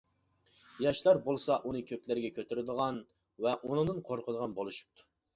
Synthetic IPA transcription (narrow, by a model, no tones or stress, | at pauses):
jɑʃlˠɑɾbolˠsɑʔunɨkʲʰøkʲlɪɾɡʲɛkʲʰøt̪ʰyɾɪd̪əʁɑn | vɛʔunɨnɨnqʰoɾqʰəd̪ˠəʁɑnbolˠuʃu̥p̚t̪ʰu̥